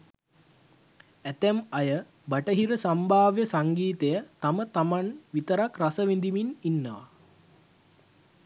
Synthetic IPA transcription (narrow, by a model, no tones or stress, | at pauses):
æt̪æmajə | baʈəɦiɾəsambʱaːʋjəsaŋɡiːt̪ejət̪amət̪amanʋit̪əɾakrasəʋind̪imininːəʋa̰